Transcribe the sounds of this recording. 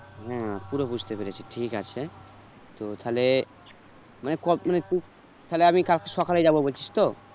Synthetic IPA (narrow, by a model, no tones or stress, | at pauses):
ɦãpuɾopud͡ʒʱt̪epeɾet͡ʃʰeʈʰikat͡ʃʰe | t̪ot̪ʰale | manekɔmanet̪u | t̪ʰaleamikalkesakʰalajd͡ʒabobolt͡ʃʰi̥st̪o